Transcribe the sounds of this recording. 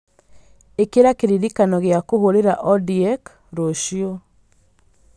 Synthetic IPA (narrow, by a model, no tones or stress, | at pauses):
ekeɾakeɾiɾikanɔɣeakohoɾeɾaʔɔdiɛk | ɾoʃio